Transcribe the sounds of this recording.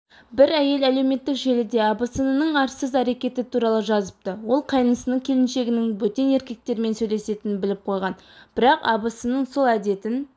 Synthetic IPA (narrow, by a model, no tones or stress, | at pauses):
bɪɾæje̞læle̞wme̞t̪ːɪkʒe̞lɪd̪e̞ɑbəsənənəɴɑɾsəzæɾe̞kʲe̞t̪ɪt̪ʰuɾɑlˠəʒɑzəp̚t̪əwo̞lˠqʰɑjnəsənəkʲʰe̞lɪnʃe̞ɡʲɪnɪŋwɵt̪e̞ne̞ɾkʲe̞k̚t̪e̞ɾme̞nsɵjle̞se̞t̪ɪnɪbɪlɪp̚qʰo̞jʁɑnb̥ɪɾɑqɑ̰bəsənːəɴso̞lˠæd̪e̞t̪ɪn